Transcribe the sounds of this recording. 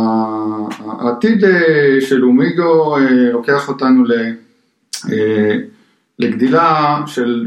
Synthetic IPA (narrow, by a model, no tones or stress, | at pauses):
a | t̪id̪eʃelumiɡoelo̞ke̞aχo̞t̪anule | e | leɡd̪ilaʃel